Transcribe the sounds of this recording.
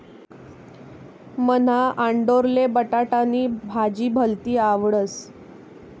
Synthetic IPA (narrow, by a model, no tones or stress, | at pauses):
mən̤aʔaɳɖoɾlebəʈaʈaniːbʱad͡ʑiːbʱəlt̪iːaʋɽət͡s